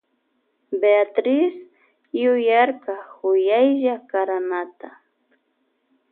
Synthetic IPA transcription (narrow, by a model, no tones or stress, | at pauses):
beat̪ɾɪs | jʊjaɾkahʊjajʒakaɾanat̪a